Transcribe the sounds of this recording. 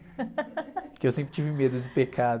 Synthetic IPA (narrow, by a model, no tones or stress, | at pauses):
kɪewsẽmpɾɪt͡ʃivɪmed̪ʊd͡ʒɪpekʰad̪